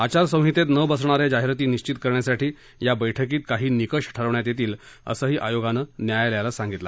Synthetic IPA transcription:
at͡ɕaɾsə̃w̃ɦit̪et̪nəbəsɳ̃aɾed͡ʑaɦiɾt̪iːniɕt͡ɕit̪kəɾɳjasaʈiː | jabəjʈʰəkiːt̪̚kaɦiːnikəʂʈʰəɾəʋɳjat̪jet̪iːl | ə̰səːɦiːʔajoɡanənjajljalasãŋɡit̪la̰

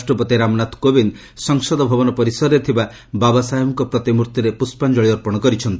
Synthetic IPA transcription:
sʈɾɔpɔt̪eɾamnat̪ʰkobin | sɔŋsɔd̪ɔbʱɔbɔnɔpɔɾisɔɾet̪ʰiba | babasajɔmɔŋkɔpɾɔt̪imuɾt̪jiɾepuspand͡ʒɔɭiɔɾpɔɽ̃ɔkɔɾit͡ʃʰɔnt̪i

